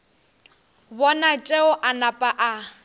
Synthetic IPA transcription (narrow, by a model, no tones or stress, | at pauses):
bɔnat͡ʃʼeʊʔanapʼaʔa